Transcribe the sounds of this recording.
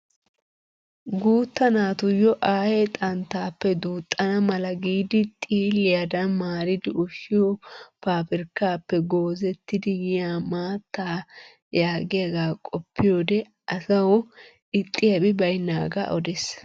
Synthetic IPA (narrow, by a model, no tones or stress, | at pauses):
ɡuːt̪ːɐnaːt̪ʊjɔʔaːhet̪ʼɐnt̪ːaːpːɛd̪uːt̪ʼːɐnɐmɐlɐɡiːd̪ɪt̪ʼiːlːɪjad̪ɐnmaːɾɪd̪ɪʊʃɪɔpaːpɪɾkːaːpːɛɡo̞ːzɛt̪ːɪd̪ɪjɪjaːmaːt̪ːaː | jaːɡɪjɐɡaːkʼɔpːɪjo̞ːd̪ɛ | ɐsɐw | ɪt̪ʼːɪjɐbɪbɐjnːaːɡa̰ʔɔd̪ɛs